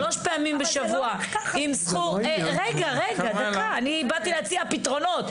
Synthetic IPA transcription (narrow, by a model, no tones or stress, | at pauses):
lo̞ʃpeamimbeʃavuaimsχuʁeɡaʁeɡadk̪aaːnibat̪ileat͡siapit̪ʁo̞no̞t̪